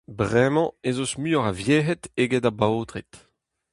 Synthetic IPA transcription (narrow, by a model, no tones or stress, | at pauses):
bʁɛmɑ̃ezosmyɔʁavjeːɦɛt̪eɡedabaoːt̪ʁit̪